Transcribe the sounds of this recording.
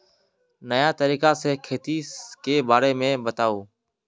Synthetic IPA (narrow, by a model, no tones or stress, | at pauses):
nəjaːt̪əɾiːkaːseːkʰeːt̪iːkeːbaːɾeːmẽːbət̪aːoː